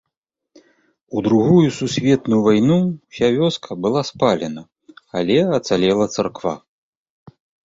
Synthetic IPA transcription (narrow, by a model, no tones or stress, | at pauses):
ud̪ɾuɣujususʲvʲɛt̪nujuvajnuwsʲavʲɔskʰɐbɨlˠaspalʲɛnɐ | alʲɛɐt̪salʲɛlˠɐt̪sarkva̰